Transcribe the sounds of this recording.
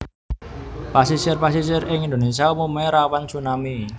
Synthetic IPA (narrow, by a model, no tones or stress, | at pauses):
pasisɪrpasisɪrɪŋind̪ones̬iaumumeɾawant͡ʃunami